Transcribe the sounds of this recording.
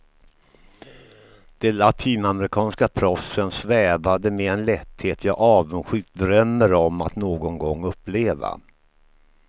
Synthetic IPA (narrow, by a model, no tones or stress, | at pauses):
d̪̥ɛlat̪ʰiːnamɛɾɪkʰɑːnskapʰɾɔfsənsvɛːvad̪əmɛɛnlɛt̪heːt̪ʰjɑːʔɑːvənɧʏːt̪̚d̪ɾœmːəɾɔmːat̪noːɡɔŋɡɔŋːɵpːleːva̰